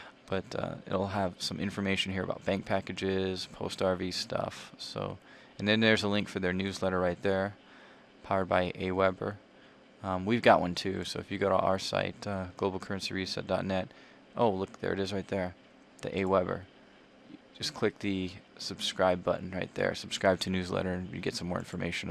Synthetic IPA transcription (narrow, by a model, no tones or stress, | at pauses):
b̥ʌɾʌ̰ɪ̰ɾl̩ˠəv̥sʌ̃mʔɪ̃ɱfə˞meɪʃɨ̃n̩hiɹə̰baʊt̚b̥æ̃ŋk̚pʰækɨd͡ʒɪz̥pʰoʊstɑɹvistʰʌ̰fso̰ʊ | ɨ̃nðɨ̃nðə˞zəlɪ̃ŋkfə˞ðə˞nʉzlɛɾə˞ɹaɪt̪̚ðə˞ | pʰaʊə˞d̚baɪʔeɪwɛbə̰˞ | ʌ̃mwivɡɑʔ̚wʌ̃ntʰʉsoʊɨfjɨɡoʊɾa̰ə˞sa̰ɪt̚ʌɡ̥loʊbl̩ˠkʰɜ˞ɨ̃nsiə˞jɨsɛ̰t̚d̥ɑtⁿnɛt̚ | ʔoʊlʊk̚ðə̰˞ɨ̰ɾɨzɹaɪt̪̚ðə˞ | ðḭʔeɪwɛbə̰˞ | d͡ʒʌskʰl̥ɪk̚ðɨsɨb̥skɹaɪbʌ̰ʔn̩ɹaɪt̪̚ðə̰˞səb̥skɹaɪb̚tʰɨnʉzlɛ̰ɾə˞jɨ̰ɡɛtsʌ̃mːɔ̰ɹɪ̰̃nfə˞mḛɪʃɨ̃n̩